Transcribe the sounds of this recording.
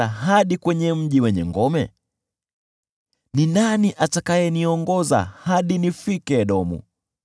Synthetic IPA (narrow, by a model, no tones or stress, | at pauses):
aɦaɗikwɛɲɛm̩ʄiwɛɲɛ̰ŋɡɔmɛ̰ | ninaniʔatakajɛniɔŋɡɔza̰haɗinifikɛɗɔmṵ